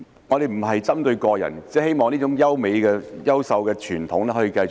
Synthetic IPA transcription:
ŋɔː˨˧d̪e˨jm̩˨˩ɦɐ˨jt͡sɐ˥mt̪ɵ˧ɥkɔː˧jɐ̰˨˩nt͡sɛː˥he˥jmɔː˨˩ŋniː˥ʊ˨˥ŋjɐ˥wme˨˧jkɛː˧jɐ˥wsɐ˨˧wkɛː˧t͡ʃʰyː˨˩nt̪ʰʊ˨˥ŋlɛ˥ɦɔː˨˧˥ji˨˧kɐ˧jt͡sʊ˨

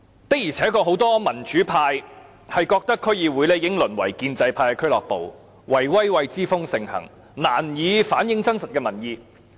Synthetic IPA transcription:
t̪ɐ˥k̚jiː˨˩t͡sʰɛː˨˥kɔː˧ho˨˥wt̪ɔː˥mɐ˨˩nt͡ʃyː˨˥pʰaː˧j | hɐ˨jkɔː˧k̚t̪ɐ˥kʰːɵ˥ɥjiː˨˧wuː˨˥jle˨˧jɪ˨˥ŋlɵ˨˩nwɐ̰˨˩jkiː˧nt͡sɐ˧jpʰaː˧jkɛ˧kʰɵ˥ɥlɔː˨k̚po˨w | wɐ˨˩jwɐ˥jwɐ˧jt͡siː˥fʊ˥ŋsɪ˨˩ŋhɐ̰˨˩ŋ | na̰ː˨˩njiː˨˧faː˨˥njɪ˨˥ŋt͡sɐ˥nsɐ˨t̚kɛː˧mɐ˨˩njiː˧

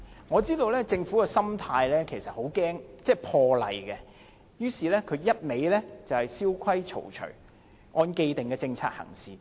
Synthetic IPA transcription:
ŋɔː˨˧t͡siː˥t̪o˧wlɛː˥t͡sɪ˧ŋfu˨˥kɛ˧sɐ˥mt̪ʰaː˧jlɛː˥kʰe˨˩jsɐ˨t̚ho˨˥wkɛː˥ŋt͡sɛː˥˩pʰɔː˧lɐ̰˨˩jkɛ˧ | jyː˥siː˨lɛː˥kʰɵ˨˧ɥjɐ˥t̚me˨˧jlɛ˥t͡sɐ˨whɐ˨˩jsiː˥wkʰɐ˥jt͡ʃʰo̰˨˩wt͡ʃʰɵ̰˨˩ɥ | ŋɔː˧nke˧jt̪ɪ˨˩ŋkɛː˧t͡sɪ˧ŋt͡sʰa̰ː˧t̚hɐ̰˨˩ŋsiː˨˩

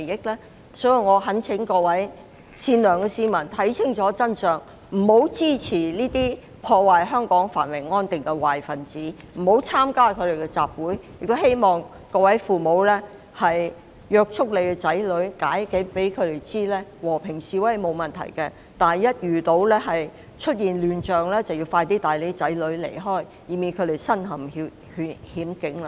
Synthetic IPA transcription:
e˨jɪ˥k̚lɛː˥ | sɔː˨˥ji˨˧wŋɔː˨˧ɦɐ˨˥nt͡sʰɪ˨˥ŋkɔː˧wɐ˨˥j | siː˧nlœː˨˩ŋkɛ˧siː˨˧mɐ˨˩nt̪ʰɐ˨˥jt͡sʰɪ˥ŋt͡sɔː˨˥t͡sɐ˥nsœː˨ŋ | m̩˨˩ho˨˥wt͡siː˥t͡sʰiː˨˩liː˥t̪iː˥ | pʰɔː˧waː˨jɦœː˥ŋkɔː˨˥ŋfaː˨˩nwɪ˨˩ŋŋɔː˥nt̪ɪ˨ŋkɛ˧waː˨˩jfɐ˨˩nt͡siː˨˥ | m̩˨˩ho˨˥wt͡sʰaː˥mkaː˥kʰɵ˨˧ɾe˨jkɛ˧t͡saː˨p̚wuː˨˥jjɪ˨k̚t̪o˥he˥jmɔː˨ŋ | kɔː˧wɐ˨˥jfuː˨˩mo˨˧wlɛː˥ | hɐ˨j | jœː˧k̚t͡ʃʰʊ˥k̚le˨˧jkɛ˧t͡sɐ˨˥jlɵ˨˥ɥkaː˨˥jkɪ˨˥ŋpe˨˥jkʰɵ˨˧ɥt̪e˨jt͡siː˥lɛː˥wɔː˨˩pʰɪ˨˩ŋsiː˨˩wɐ˨˥ɐ˨jmo˨˧wmɐ˨nt̪ʰɐ̰˨˩jkɛ˧ | t̪aː˨jɐ˥t̚jyː˨t̪o˨˥wlɛ˥ɦɐ˨j | t͡ʃʰɵ˥t̚jiː˨nlyː˨nt͡ʃœː˨ŋlɛː˥t͡sɐ˨wji˧wfaː˧jt̪iː˥t̪aː˨jle˨˥t͡sɐ˨˥jlɵ˨˥ɥlḛ˨˩jɦɔː˥˩j | jiː˨˩miː˨˧nkʰɵ˨˧t̪e˨jsɐ˥nɦɐ˨˩m˨˥ | hy˨˧hiː˨˥mkɪ˨˥ŋl

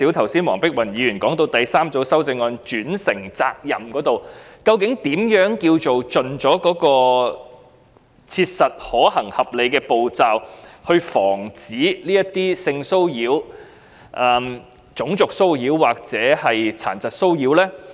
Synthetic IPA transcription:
iː˨˥wt̪ʰɐ˨˩wsiː˥nwɔː˨˩ŋpɪ˥k̚wɐ˨˩njiː˨˥jyː˨˩nkɔː˨˥ŋt̪o˧wt̪ɐ˨jsaː˥mt͡so˨˧wsɐ˥wt͡sɪ˧ŋɔː˧nt͡ʃyː˨˥nsɪ˨˩ŋt͡sa̰ː˧k̚jɐ˨˩mkɔː˨˥t̪o˨wkɐ˧wkɪ˨˥ŋt̪iː˨˥mjœː˨˥ŋki˧wt͡so˨wt͡ʃɵ˨nt͡sɔː˨˥kɔː˨˥kɔː˧ | t͡sʰiː˧t̚sɐ˨t̚hɔː˨˥hɐ˨˩ŋhɐ˨˩p̚le˨˧kɛː˧po˨wt͡saː˨whɵ˧ɥfɔː˨˩ŋt͡siː˨˥liː˥jɐ˥t̪iː˥sɪ˧ŋso˥wjiː˨˥w | ʔɐː˨˧m | t͡ʃʊ˨˥ŋt͡sʊ˨k̚so˥wjiː˨˥wːaː˨k̚t͡sɛː˨˥hɐ˨jt͡sʰaː˨˩nt͡sɐ˨t̚so˥wjiː˨˥wlɛː˥

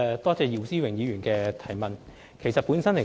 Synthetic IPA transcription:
t̪ɔː˥t͡sɛː˧ji˨˧wsiː˥wɪ˨˩ŋjiː˨˧ɥyː˨˩nkɛː˧t̪ʰɐ˨˩jmɐ˨n | kʰe˨˩jsɐ˨t̚puː˨˥nsɐ˥nle˨˩

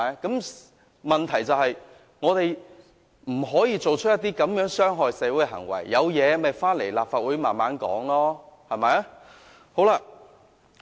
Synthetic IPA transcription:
kɐ˨˥m | mɐ˨nt̪ʰɐ˨˩jt͡sɐ˨˧whɐ˨j | ŋɔː˨˧t̪e˨j | m̩˨˩ɦɔː˨˥jiː˧t͡so˨wt͡ʃʰɵ˥t̚jɐ˥t̪̬iː˥kɐ˨˥mjœː˨˥ŋsœː˥ŋɦɔː˨jsɛː˨˧wuː˨˥ɦɐ̰˨˩ŋwɐ̰˨˩jːɐ˨˧wjɛː˨˧mɐ˨jfaː˥nle˨˩jlaː˨p̚faː˧t̚wuː˨˥jmaː˨nmaː˨˥nkɔ̰ː˨˥ŋlɔː˥hɐ˨˩mɐ˨j | ho˨˥wla˧

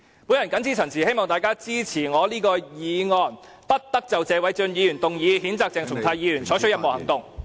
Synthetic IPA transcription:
puː˨˥njɐ˨˩nkɐ˨˥nt͡sʰiː˥t͡sʰɐ˨˩nsʰiː˨˩he˥jmɔː˨˩ŋt̪aː˨jkaː˥t͡siː˥t͡sʰiː˨˩ŋɔː˨˧liː˥kɔː˧jiː˨˧ŋɔː˨n | pɐ˥t̚t̪ɐ˥k̚t͡sɐ˨wt͡sɛː˧wɐ˨˥jt͡sɵ˧njiː˨˧jyː˨˩nt̪ʊ˨ŋjiː˨˧hiː˨˥nt͡saː˧k̚t͡sɛː˨˩ŋt̪ʰʊ˨˩ŋt̪ʰaː˧jiː˨˧jyː˨˩nʰɔː˨˥jt͡ʃʰɵ˥jɐ˧t̚mo˨whɐ˨˩ŋt̪ʊ˨ŋ

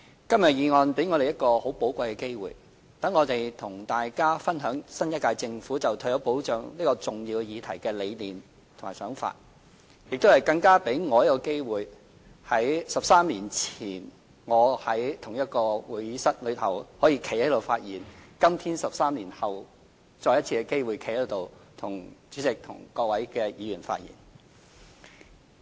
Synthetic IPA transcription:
kɐ˥mjɐ˨t̚jiː˨˧ŋɔː˧npe˨˥jŋɔː˨˧e˨jɐ˥t̚kɔː˧ho˨˥wpo˨˥wkʷɐ˧jkɛː˧ke˥jwṵː˨˩j | t̪ɐ˨˥ŋːɔː˨˧t̪e˨jt̪ʰʊ˨˩ŋt̪aː˨jkaː˥fɐ˥nɦœː˨˥ŋsɐ˥njɐt̚kaː˧jt͡sɪ˧ŋfuː˨˥t͡sɐ˨wt̪ʰɵ˧˥jɐ˨˥wpo˨˥wt͡ʃœː˨˥ŋliː˥kɔː˧t͡sʊ˨˩ŋjiː˧wjiː˨˧t̪ʰɐ˨˩jkɛː˧le˨˧jliː˨˩m | t̪ʰʊ˨˩maː˨˩sœː˨˥ŋfa̰ː˧t̚ | jɪ˨k̚t̪o˥whɐ˨jkɐ˧ŋkaː˥pe˨˥jŋɔː˨˧jkːɔ˧ke˥jwuː˨j | hɐ˨˥jsɐ˨p̚saː˥mliː˨˩nt͡sʰiː˨˩n | ŋɔː˨˧hɐ˨˥jt̪ʰʊ˨˩ŋjɐ˥t̚kɔː˧wuː˨˩jsɐ˥t̚lɵ˨˧˥t̚hɐ˨˩whɔː˨˥jiː˧kʰe˨˩jhɐ˨˥jt̪o˨˩wfaː˧t̚jiː˨˩nkɐ˥mt̪ʰiː˥nsɐ˨p̚saː˥mliː˨˩nhɐ˨w | t͡sɔː˧jɐ˥t̚t͡sʰiː˧kɛ˧ke˥jwu˨˩jkʰe˨˩ht̪o˨wt̪ʰʊ˨˩ŋt͡ʃyː˨˥t͡sɪ˨k̚t̪ʰʊ̰˨˩ŋkɔː˧k̚wɐ˨˥jkɛː˧jiː˨˧ɥyː˨˩nfa̰ː˧t̚jḭː˨˩n

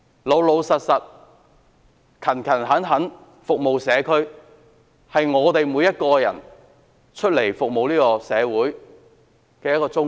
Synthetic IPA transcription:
lo˨˧wlo˨˧wsɐ˨t̚sɐ˨t̚ | kʰɐ˨˩nkʰɐ˨˩nɦɐ˨˥nɦɐ˨˥n | fʊ˨k̚mo˨wsɛː˨˧kʰɵ˥ɥ | hɐ˨jŋɔː˨˧t̪e˨jmuː˨˧jɐ˥t̚kɔː˧jɐ̰˨˩n | t͡ʃʰɵ˥t̚le˨˩jfʊ˨k̚mo˨˧wliː˥kɔː˧sɛː˨˧wuː˨˥j | kɛː˧jɐ˥t̚kɔː˧t͡sʊ˥

